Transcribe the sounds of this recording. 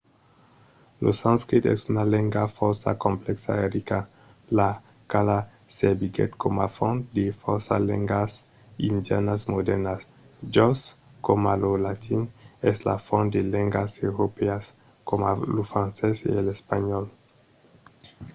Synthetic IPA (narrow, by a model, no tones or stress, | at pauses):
losãnskɾit̪ɛ̰sunaleŋɡafɔɾsa̰kõmplɛksa̰eɾika | la | kala | sebiɡɛ̰t̪komafɔ̃nd̪efɔɾsalḛŋɡas | ind̪janasmod̪ɛɾnas | d͡ʒɔskomalolat̪ʰinɛsla̰fɔ̃nd̪elẽŋɡasewɾopeas | komalofɾãnsɛsḛelespaɲɔl